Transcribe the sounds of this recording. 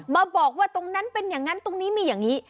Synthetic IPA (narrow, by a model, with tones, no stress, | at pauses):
maː˧bɔː˨˩k̚waː˥˩t̪o˧ŋna˦˥npe˧njaː˨˩ŋːa˦˥nt̪o˧ŋniː˦˥miː˧jaː˨˩ŋŋiː˦˥